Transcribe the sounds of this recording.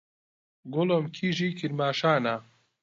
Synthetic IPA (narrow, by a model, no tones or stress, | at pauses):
ɡolomkʰiːʒiːkʰiɾmaːʃaːna